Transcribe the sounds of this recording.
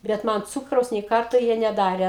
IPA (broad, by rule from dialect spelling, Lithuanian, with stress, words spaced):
bʲɛt ˈmɐn ˈt͡suːkrɐʊs nʲeː ˈkɐrtoː ˈjiɛ nʲɛˈdɑːrʲɛ